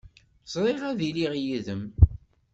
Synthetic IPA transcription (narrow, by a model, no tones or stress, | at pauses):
sˤɾˤeʁæðiliʁjiðəm